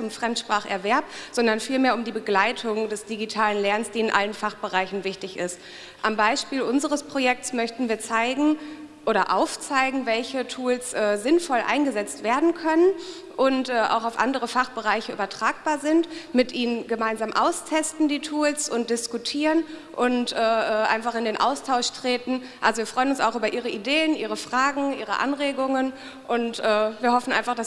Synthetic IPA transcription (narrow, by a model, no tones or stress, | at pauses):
t͡sʊmfʁ̥ɛmtʃpʁ̥aːχʔɛɐvɛɐp̚z̥ɔndɐnfiːlmeːɐʊmdiːbəɡlaɪtʰʊŋdɛsd̥iɡitʰaːlənlɛɐnsd̥iːɪnʔa̰lənfaχb̥əʁaɪçn̩vɪçtɪçɪst | ʔambaɪʃpiːlʔʊnzəʁəspʁ̥ojɛk̚tsmœçtn̩viːɐt͡saɪɡŋ̩ | ʔoːɾɐʔaʊft͡saɪɡŋ̩vɛlçətʰuːlsʔɛːzɪnfɔlʔa̰ɪnɡəzɛt͡stv̥eːɐdn̩kʰœnən | ʔʊntʔɛːʔa̰ʊxaʊfʔa̰ndəʁəfaχb̥əʁaɪçəʔyːbɐtʁ̥aːk̚b̥aːɐzɪntmɪtʔiːnənɡəmaɪnzaːmʔa̰ʊstʰɛstn̩diːtʰuːlsʊnt̚d̥ɪskutʰiːʁənʔʊntʔɛːʔɛːʔa̰ɪnfaχɪndeːnʔa̰ʊstʰaʊʃtʁ̥eːtn̩ | ʔa̰lzoviːɐfʁ̥ɔʏənʊnsaʊxʔyːbɐʔiːʁ̞əʔideːənʔiːʁ̞əfʁ̥aːɡŋ̩ʔiːʁə̰ʔa̰nʁeːɡʊŋən | ʔʊntʔɛːviːɐɦɔfn̩ʔa̰ɪnfaχd̥as